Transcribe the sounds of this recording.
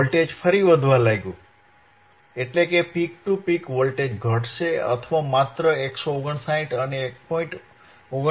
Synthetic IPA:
lʈed͡ʒfʰəɾiʋəd̪ʱʋãlajɡũ | eʈlekepik̚ʈupikʋolʈed͡ʒɡʱəʈʃeə̰t̪ʰʋamat̪ɾəeksooɡəɳsaĩʈənek̚poĩʈ | oɡə

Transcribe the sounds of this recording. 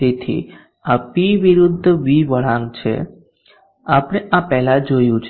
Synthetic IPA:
et̪ʰḭ | apiʋiɾud̪ʱːəʋiʋəɭãŋɡt͡ʃʰḛ | apəɽ̃eʔapɛɦlad͡ʒojũt͡ʃʰ

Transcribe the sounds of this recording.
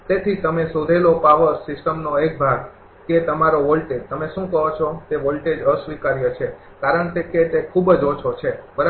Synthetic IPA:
t̪et̪ʰit̪əmesod̪ʱelopaʋəsɪsʈəmnoek̚bʱaɡ | ket̪əmaɾoʋolʈed͡ʒt̪əmeʃũkəɦot͡ʃʰot̪eʋolʈed͡ʒəsʋikaɾjət͡ʃʰe | kaɾəɳkeket̪ekʰubd͡ʒot͡ʃʰot͡ʃʰebəɾ

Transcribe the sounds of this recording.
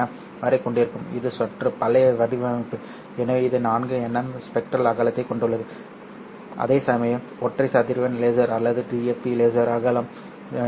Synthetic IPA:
ɐ | ʋɐɾɐɪkːɔɳɖɪɾɯkːɯmɪ̰ðɯsɐʈrɯpɐlɐʋɐɽiʋɐmɪpːɯ | ɛnːɐʋɪðɯnaːnɡɯɛnːɐmspɛk̚ʈɾɐlɐɣaːlɐt̪ːɐɪkɔɳɖɯɭːɐðɯ | ʔɐ̰ðeːsɐmɐjɐm | ɔʈːrɐɪsɐt̪ːɪɾɯʋɐnleːzɐɾɐlːɐðɯʈiːefileːzɐɾaɣaːlɐm

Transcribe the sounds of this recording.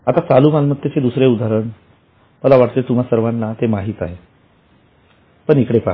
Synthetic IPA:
at̪at͡salumanmət̪ːjet͡sed̪usɾeud̪ʱaɾəɳ | məlaʋaʈt̪et̪um̤asəɾʋanːat̪emaɦiːt̪aɦe | pəɳikɽepa̰

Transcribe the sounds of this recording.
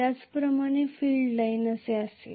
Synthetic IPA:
at͡spɾəmaɽ̃efilɖlainəseasḛ

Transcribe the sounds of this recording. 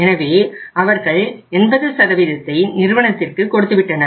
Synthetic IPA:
ɛnɐʋeːɐʋɐɾɣɐɭɛnbɐðɐsɐɾɐʋɪðɐt̪ːɐɪnɪɾɯʋɐɳɐt̪ːɪrkɯkɔɽɯt̪ːɯʋɪʈːɐnɐ

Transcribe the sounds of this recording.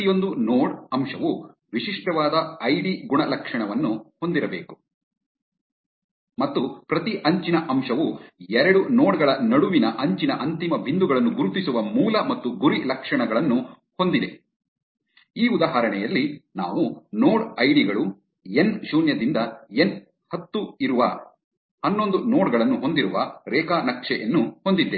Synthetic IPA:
ijo̞nd̪unoːɽɐmʂɐʋu | ʋiʂiʂʈɐʋaːd̪ɐɐjɽiɡuɳɐlɐkʂɐɳɐʋɐnːuho̞nd̪iɾɐbe̞̰ːku̥ | mɐt̪ːupɾɐt̪iʔɐɲt͡ʃinɐʔɐmʂɐʋuɛɾɐɽunoːɽɡɐɭɐnɐɽuʋinɐʔɐɲt͡ʃinɐʔɐnt̪imɐbʱind̪uɡɐɭɐnːuɡuɾut̪isuʋɐmuːlɐmɐt̪ːuɡuɾilɐkʂɐɳɐɡɐɭɐnːu | ho̞nd̪id̪e | iːud̪aːɦaːɾɐɳɛjɐlːina̰ːʋunoːɽɐjɽiɡɐɭu | enʃuːnjɐd̪ind̪ɐen | hɐt̪ːuiɾuʋɐ̰ | hɐnːond̪unoːɽɡɐɭɐnːuɦo̞nd̪iɾuʋɐɾɛːkaːnɐkʂɛʔɐnːuho̞nd̪id̪ːe

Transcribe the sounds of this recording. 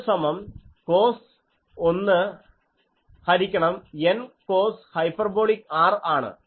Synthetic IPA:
sɐmɐmkoːs | onːɨ | hɐɾikʲːɐɳɐmenko̞ːshɐjpɐrbo̞ːɭikaːraːɳɨ̰

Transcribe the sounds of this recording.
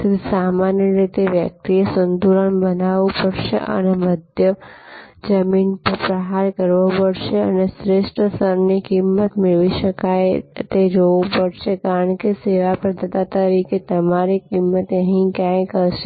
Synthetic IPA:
samanjəɾit̪eʋjək̚t̪iesənd̪uɾənbənaʋupəɽʃḛʔə̰neməd̪ʱjə | d͡ʒəminpəɾpɾəɦaɾkəɾʋopəɽʃeə̰nesɾeʃʈɾəsəɾnikimːət̪mɪɭʋiʃəkajt̪ed͡ʒoʋupəɽʃekaɾəɳkeseʋapɾəd̪ʱət̪at̪əɾiket̪əmaɾikimːət̪əɦĩkjãjkəɾʃe

